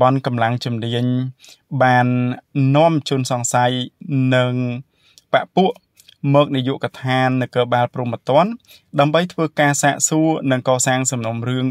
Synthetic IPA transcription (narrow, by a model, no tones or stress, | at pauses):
ɓɑnkɑmlaŋt͡ɕumniəɲɓaːnːŏəmt͡ɕuənsɑŋsajnɨŋ | paʔpuəʔ | mɔːk̚nijuəʔkɑt̪ʰaːnːɨwkəːɓaːlpruəmət̪ŏən | ɗaəmɓəjt̪ʰʋəːkaːsaːʔsuənɨŋkɑːsaːŋsɑmnomrɨəŋ